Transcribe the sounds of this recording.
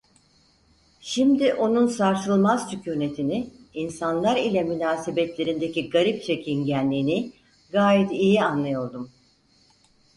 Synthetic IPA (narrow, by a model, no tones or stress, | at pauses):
ʃimd̪iʔo̞nunsaɾt̪ɯlˠmazt͡ʃycʰʲyːne̞t̪ʰiniinsanlˠaɾilʲɛmynaːse̞bɛt̪lʲe̞ɾind̪eciɡaɾip̚t͡ʃʰecʰinɟænːʲiːni | ɡaːjɛt̪ijianlˠajo̞ɾˠd̪um